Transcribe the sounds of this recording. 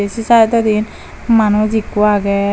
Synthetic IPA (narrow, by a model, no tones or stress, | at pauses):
esisaɛt̪ɔd̪in | manuzikuaɡɛ